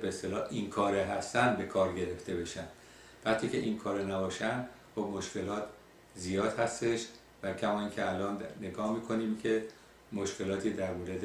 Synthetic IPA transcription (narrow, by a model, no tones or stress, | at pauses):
beest̪elɒːʔinkʰɒːɾeɦæst̪ænd̪be̞kʰɒːɾɟe̞ɾe̞ft̪e̞be̞ʃænd̪̥ | væχt̪ʰiːcʰe̞̰ʔinkʰɒːɾenæbɒːʃænd̪ | xob̚moʃce̞lɒːt̪ʰ | zijɒːd̪̥hæst̪e̞ʃ | væcʰæmɒːiːncʰeælɒːnːe̞ɡɒːhmiːkʰo̞niːmcʰe̞ | moʃcʰe̞lɒːt̪ʰiːd̪æɾmoɾed̪